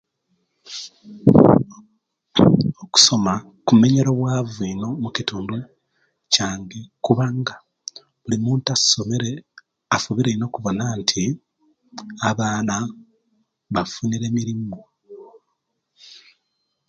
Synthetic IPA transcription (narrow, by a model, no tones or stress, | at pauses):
oku̥so̞ma | kumːe̞ɲe̞ɾo̞βwaːvino̞mucituːndwe | caːŋɡekuβaŋɡa | βulimuːntḁsomeɾe | afuβiɾeino̞kuβo̞naːntʰi | aβaːna | βafuniɾe̞ːmiɾiːmɡo